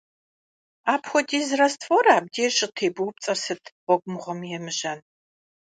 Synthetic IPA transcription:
aːpxʷɔdiːzɨrɐstʰfɔɾaːb̚deːɕʼɪtʰeːbɨwp̚t͡sʼɐrsɨtʰʁʷɔɡʷʊmɨʁʷɔmjɛmɨʒɐn

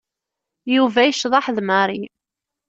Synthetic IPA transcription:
juvæjəʃðˤɑħðməɾˤi

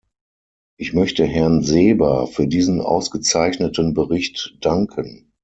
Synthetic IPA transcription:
ʔɪçmœçtəɦɛɐnzeːbɐfyːɐdiːzənʔa̰ʊsɡ̥ət͡saɪçnətənbəʁɪçtd̥aŋkʰən

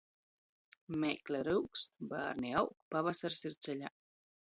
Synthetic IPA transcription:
mʲejklʲɛɾuwkst̪ba̰ːɾniawkpavasaɾsiɾt̪sɛlʲa̰

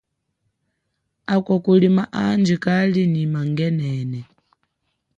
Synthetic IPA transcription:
akɔkulimaʔand͡ʒikalinimaŋɡɛnɛːnɛ

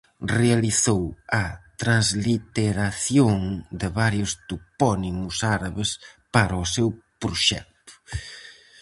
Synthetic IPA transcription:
realiθowɐt̪ɾãnzlit̪eɾaθjoŋd̪ɪβaɾjʊst̪upɔnimʊsaɾaβespaɾɔsewpɾoʃɛk̚t̪ʊ̥

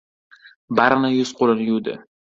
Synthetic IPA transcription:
baɾnajʊz̥qolɪnjud̪ɪ̰

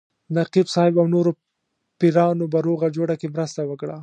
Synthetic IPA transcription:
naqibsɑɪbawnoɾo | piɾɑnobaɾoɣad͡ʒoɽakemɾəst̪awəkɽa

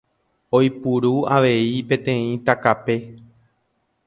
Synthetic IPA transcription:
ojpuɾuaʋe̞ipẽ̞t̪ẽ̞ĩt̪akape̞

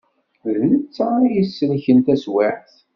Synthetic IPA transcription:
ðnət͡sːʁɾˤajəsːəlçənt̪æswɪʕθ

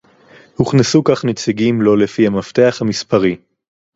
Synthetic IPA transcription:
huχnesukaχnet͡siɡimlo̞lefihamaft̪e̞aχhamispaʁi

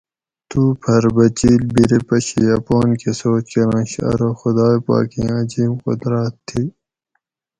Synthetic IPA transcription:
t̪uːpʰɐɾbɐt͡ɕiːlbiɾepɐɕijaːpoːnkesoːt͡ɕkenɐ̃ɕɐ̰ɾoxʊd̪aːepa̰ːkĩɐziːmqʊ̰d̪ɾaːt̪ʰːiː

